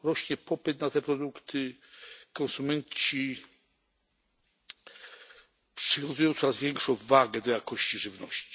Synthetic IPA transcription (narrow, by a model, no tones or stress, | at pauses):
ɾɔɕɲɛpɔpɘt̪nat̪ɛpɾɔd̪ukt̪ʰɘkɔ̃ñsumɛɲt͡ɕi | pʂɨvʲɔnzujɔ̃w̃t̪sɔɾazvʲjɛŋkʂɔ̃w̃vaɡɛd̪ɔjakɔɕt͡ɕiʐɘvnɔɕt͡ɕi̥